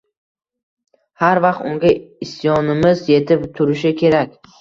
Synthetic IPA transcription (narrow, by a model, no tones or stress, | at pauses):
haɾvɑqt̪ʊŋɡʲaɪst̪jɒnɪmɪzje̞t̪ʰɪpt̪ʰʊɾɪʃɪkʲʰe̞ɾakʲ